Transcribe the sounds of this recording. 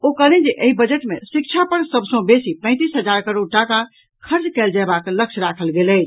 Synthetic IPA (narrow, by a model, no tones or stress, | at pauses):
okəled͡ʒeʔeibəd͡ʒəʈmesikt͡ʃʰapəɾsəbsə̃besipə̃ɪ̃t̪isɦəd͡ʒaɾkəɾoɖ̚ʈaka | kʰəɾd͡ʒkɛld͡ʒabaklək̚t͡ʃʰɾakʰəlɡelət͡ʃʰ